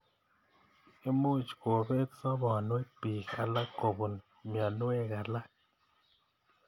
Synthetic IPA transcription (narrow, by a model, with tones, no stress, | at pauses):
e˦mu˦t͡ʃɡo˨be˦t̪sa˦ba˨nwe˦pi˨a˨la˦ko˨bo˨n | mja˨n˦e˦ɡa˨la˦k̚